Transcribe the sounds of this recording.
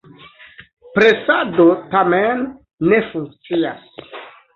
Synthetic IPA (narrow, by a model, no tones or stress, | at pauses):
pɾesadotamenː | efuŋk̚t͡sias